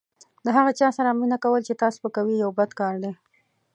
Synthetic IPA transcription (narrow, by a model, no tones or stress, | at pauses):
d̪əɦaɣat͡ʃɑsaɾaminakawəlt͡ʃet̪ɑso̥pəkawijawbad̪kɑɾd̪e